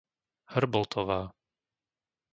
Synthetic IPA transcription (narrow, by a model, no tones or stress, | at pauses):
hr̩bɔlt̪ʰɔʋaː